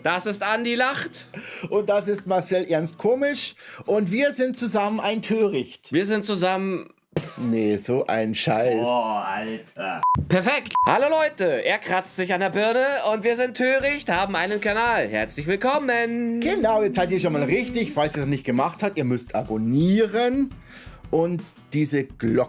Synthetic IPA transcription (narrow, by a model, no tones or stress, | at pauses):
d̥asɪstʔandilaχtʔʊnt̚d̥as̬ɪstmaɐsɛlʔɛɐnst̚kʰoːmɪʃʔʊntv̥iːɐzɪnt̚t͡suzamənaɪntʰøːʁɪçtviːɐzɪntt͡suzamən | nezoːʔa̰ɪnʃa̰ɪsaltɐpʰɛɐfɛkthaloːlɔʏtəʔeːɐkʁ̥at͡stz̥ɪçandeɐbʏɐnəʊntv̥iːɐzɪntʰːøːʁɪçthaːbm̩ʔaɪnənkanaːlhɛɐt͡slɪçv̥ɪlkʰɔmənɡ̥ənaʊjɛt͡saɪtiːɐʃonmaːlʁɪçtɪçfalsiːɐnɔχnɪçt̚ɡ̥əmaχthatʔiːɐmʏstʰʔa̰boniːʁən | ʔʊnt | d̥iːzəɡ̥lɔk